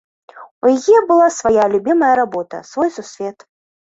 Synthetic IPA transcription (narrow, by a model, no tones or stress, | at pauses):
ujajɛbɨlˠasvajalʲubʲimɐjɐɾabɔt̪ɐ̰svɔjsusʲvʲɛt̪